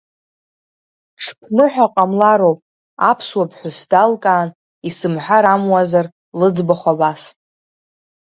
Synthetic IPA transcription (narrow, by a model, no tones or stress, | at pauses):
ʈ͡ʂʰpʰnɨħʷᶣaqʼamlaɾowpʼ | a̰pʰswapʰħʷʊsdalkʼaːn | isɨmħʷᶣaɾamwazar | lɨd͡zbaχʷabas